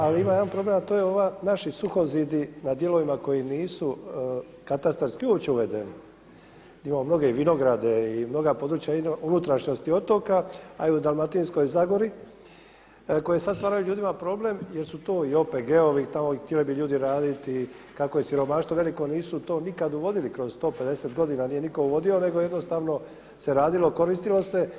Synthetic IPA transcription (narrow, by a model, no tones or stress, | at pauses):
aliimajeanpɾo̞ble̞mat̪oːjeo̞ʋanaʃisuxo̞zid̪inad̪je̞lo̞ʋimako̞jiniːsu | kat̪ast̪ɾskiuopt͡ɕeuʋe̞d̪e̞ni | imamomno̞ɡe̞iʋino̞ɡɾad̪e̞imno̞ɡapo̞d̪ɾut͡ɕjainounut̪ɾaʃɲo̞st̪io̞t̪o̞kaaiud̪almat̪insko̞jzaɡo̞ɾi | ko̞jejesad̪st̪ʋaːɾajuʎuːd̪imapɾo̞ble̞mjeɾsut̪o̞ːio̞peɡeoʋit̪amot̪jelibiʎuːd̪iɾaːd̪it̪ikako̞je̞siɾo̞maːʃt̪oʋe̞liko̞niːsut̪o̞ːnikad̪uʋo̞d̪ilikɾo̞zst̪o̞ːpe̞d̪e̞se̞t̪ɡo̞d̪inanije̞niko̞uʋo̞d̪io̞ne̞ɡojed̪no̞st̪aːʋno̞ | se̞ɾaːd̪ilo̞ko̞ɾist̪ilo̞se̞